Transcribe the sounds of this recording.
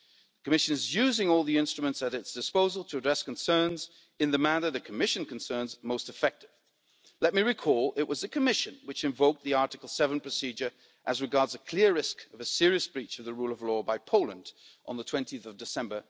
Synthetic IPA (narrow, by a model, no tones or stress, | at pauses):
ðɨkʰɨmɪʃɨ̃nɨzjʉzɪ̃ŋɔlˠðiɪ̃nstɹ̥ɨmə̃ntsɨɾɨtsd̥ɨspoʊzəl̩ˠtʰəɨdɹɛsknsɜ̃˞nz | ɨ̃nðɨmæɾə˞ðɨkʰəmɪʃɨ̃nkn̩sɜ̃˞nzmoʊstɨfɛk̚tɨv̥ | lɛt̚miɹɨkʰɔlˠɪʔ̚wʌzðɨkʰɨmɪʃɨ̃nwɨt͡ʃɨ̃ɱvoʊk̚t̪̚ðiɑɹɾɨkl̩ˠsɛvn̩pʰɹ̥ɨsid͡ʒə˞ | ʔɨzɹɨɡɑɹdzɨkʰl̥ɪɹɹɪskʌvɨsɪɹiɨsb̥ɹit͡ʃʌvðɨɹulˠʌvlɔbaɪpʰoʊlˠə̃ndʔn̩ðətʰw̥ɛ̃ntiɨθʌvdɨsɛ̃mbə˞